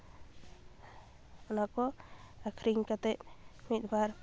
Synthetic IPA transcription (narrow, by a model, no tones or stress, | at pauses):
ɔnakɔakʰɾiŋkat̪ɛt̪mit̪̚bʱaɾ